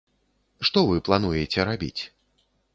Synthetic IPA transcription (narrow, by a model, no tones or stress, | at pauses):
ʂt̪ɔvɨplˠanujet͡sʲɛɾabʲḭt͡sʲ